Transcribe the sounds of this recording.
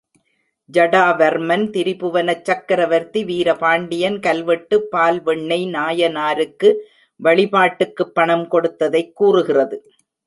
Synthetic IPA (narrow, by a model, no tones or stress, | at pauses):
d͡ʒɐɽaːʋɐɾmɐnt̪ɪɾɪpɯʋɐnɐt͡ʃːɐkːɐɾɐʋɐɾt̪ːiʋiːɾɐpaːɳɖɪjɐnkɐlʋɐʈːɯpːaːlʋɛɳːɐɪnaːjɐnaːɾɯkːɯ | ʋɐɭɪpaːʈːɯkːɯpːɐɳɐmkɔɽɯt̪ːɐðɐɪkːuːrɯɣɪrɐðɯ